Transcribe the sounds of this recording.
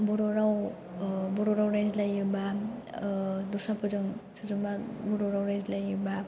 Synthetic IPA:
bɔɾɔɾaw | bɔɾɔɾawɾajzlajɯba | dusapʰɯɾɯŋsʰɯɾɯmabɔɾɔɾawɾajzlajɯba

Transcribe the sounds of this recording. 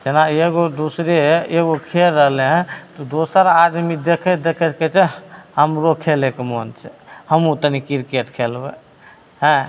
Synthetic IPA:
d͡ʒenaeɡod̪usɾeeɡokʰelːəɦleɦt̪ɔd̪osəɾad̪mid̪ekʰɛd̪ekʰɛtkɛt͡ʃʰɛhəmɾokʰelekemont͡ʃʰɛ̥həmut̪nikiɾkeʈkʰelbɛ | ɦɛ̃

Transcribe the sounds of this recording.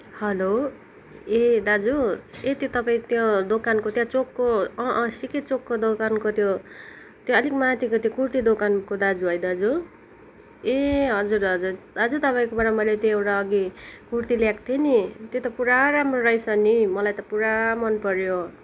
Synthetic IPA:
hʌlo | ed̪ad͡zuet̪jot̪ʌpaĩt̪jõd̪okankot̪jãt͡sokːoʌʔsiket͡sokːod̪okankot̪jo | t̪jõʌlikmat̪ikot̪jõkurt̪id̪okankod̪ad͡zuɦʌjd̪ad͡zu | eɦʌd͡zurʌd͡zurd̪ad͡zut̪ʌpaĩkopaɾamʌjlet̪jõewʈaʌɡikurt̪iljakt̪ʰjenit̪jot̪ʌpuɾaɾamroɾʌjsʌnimʌlajt̪ʌpuɾamʌnpʌɾjo

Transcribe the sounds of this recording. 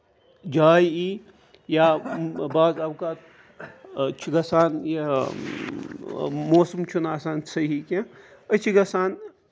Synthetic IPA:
d͡ʒaːji | jabaːzɐbkat̪ | t͡ʃʰiɡɐsaːnje | moːsɐmt͡ʃʰunaːsaːnsəɦikẽət͡ʃʰiɡɐsaːn

